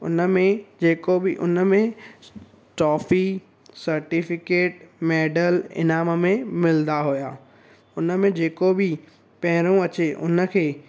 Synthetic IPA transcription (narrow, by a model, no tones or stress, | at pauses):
ʊ̰nə̆mẽd͡ʑeːkobɪʔʊ̰nə̆mẽ | ʈɔːfi | sɐɾʈɪfɪkeːʈmɛːɖəlɪ̰naːməmẽmɪld̪aɦujaː | ʊnə̆mẽd͡ʑeːkobɪ | pɐɦɪɾ̃õɐt͡ɕeʔʊ̰nə̆kʰeː